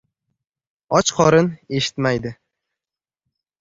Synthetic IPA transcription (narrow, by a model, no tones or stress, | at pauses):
ɒt͡ʃqʰɒɾɪne̞ʃɪ̥t̪majd̪ɪ